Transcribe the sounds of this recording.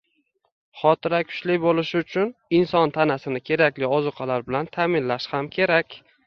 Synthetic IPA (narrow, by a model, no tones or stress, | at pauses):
χɒt̪ʰɪɾakʰʊ̥t͡ʃlɪbolɪʃɪʊt͡ʃʰʊnɪnsɒnt̪ʰanasɪnɪkʲʰe̞ɾakʲlɪɒzɨqʰalaɾbɪlant̪ʰamɪnlaʃhamkʲʰe̞ɾakʲ